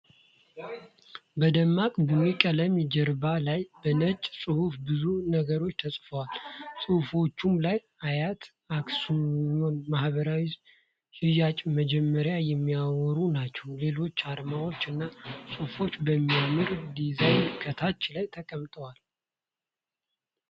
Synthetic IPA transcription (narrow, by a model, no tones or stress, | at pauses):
bəd̪əmːakʼbɨnujkʼələmid͡ʒəɾbalajbənət͡ʃʼsʼɨhufbɨzunəɡəɾo̞t͡ʃːt̪ʰəsʼfəwalsʼɨhufo̞t͡ʃːumlaj | ajat̪ | aksuonmahβəɾawiz | hɨjat͡ʃʼməd͡ʒɛmːəɾjajɛmːiawɔɾunat͡ʃːɛwle̞lo̞t͡ʃːad̪mawo̞t͡ʃːɨnːasʼɨhfo̞t͡ʃːbəmːiamɨɾd̪izajnkʰət̪ʰat͡ʃːlajt̪ʰəkʼəmt̪ʼəwal